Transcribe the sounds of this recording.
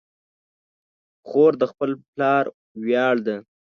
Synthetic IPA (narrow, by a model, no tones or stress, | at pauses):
xoɾd̪əxpəlplɑɾ | wjɑɽd̪a